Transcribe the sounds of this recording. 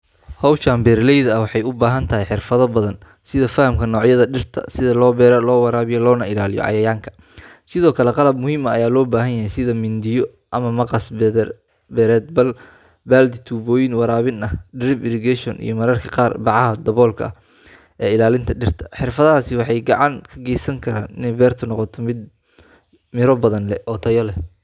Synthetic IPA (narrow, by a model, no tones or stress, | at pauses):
hɔwʃaːmbɛːrlɛjðɐɐwɑħɑjʊbaːɦɐnt̪ʰɐɦɛjħɪrfɐðɐbɐðɐn | sɪðɐfɐhɐmkʰɐnɔːʕjɐðɐɖɪrt̪ʰɐ̰sɪðɐlɔːbɛːɾlɔːwɑɾaːβɪjɔlɔːnɐɪlaːlɪjɔ̰ʕɑ̰jɐjaːŋkʰɐ̥ | sɪðɔːkʰɐlɛqɑlɐbmʊhiːmɐːjaːlɔːbaːɦɐnjɐɦɛjsɪðɐmɪnd̪ɪjɔ | ʔɐmɐmɐqɑs | bɛɾɛːd̪̚bɐl | baːld̪ɪt̪ʰuːbɔːjɪnwɑɾaːβɪnɐhɖɪɾɪbɪɾɪɡɛʃɔnʔḭjɔmɐɾɐrkʰɐ̥qɑːrbɑʕɑɦɐd̪ɐβɔːlkʰɐ̰ | ʔɛːɪlaːlɪnt̪ʰɐɖɪrt̪ʰɐ̥ħɪrfɐðɐaːsɪwɑħɑjɡɑʕɑŋkʰɐɡɛjsɐŋkʰɐɾaːnɪ̰nɛjbɛːrt̪ʰɐnɔqɔt̪ʰɔmɪd̪̚ | mɪɾɔbɐðɐnlɛʔɔt̪ʰɐjɔlɛ